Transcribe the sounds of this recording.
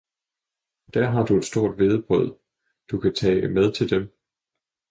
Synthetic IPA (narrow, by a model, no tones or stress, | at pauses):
d̥æɐ̰ɦɑ̈d̥ue̝d̥sd̥o̝ɐ̰d̥ʋe̝ð̞ˠəb̥ʁɔð̰ˠ | d̥ukʰæt͡sʰɛ̰ːmeð̞ˠt͡sʰe̝ld̥em